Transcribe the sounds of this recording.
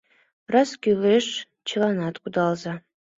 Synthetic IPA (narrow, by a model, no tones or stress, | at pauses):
rasɡʲileʂ | t͡ʃʰɨlanat̪kʷʼʊd̪alza